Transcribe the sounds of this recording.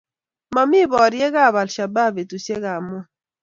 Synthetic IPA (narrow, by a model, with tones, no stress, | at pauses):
ma˨mɪ˦bɔ˨ɾjɛ˦ɡa˦˨ba˨lʃa˨ba˦be˨tu˨se˦ɣa˨mo˦